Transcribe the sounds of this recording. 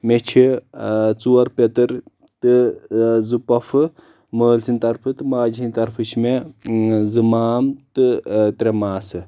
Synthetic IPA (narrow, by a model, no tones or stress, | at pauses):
met͡ʃʰi | t͡suwɐɾpʲɐt̪ɨɾ | t̪ɨ | zupɐfʰɨ | məːlt̪ʰinʲt̪ɐɾpʰɨt̪ɨmaːd͡ʒiinʲt̪ɐɾpʰɨt͡ʃʰime | zɨmaːmt̪ɨt̪ɾemaːsɨ